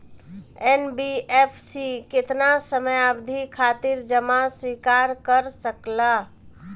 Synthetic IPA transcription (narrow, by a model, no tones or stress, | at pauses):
enbiepʰsiket̪nasəməjabd̪ʱikʰat̪iɾd͡ʒəmaswikaɾkəɾsəkla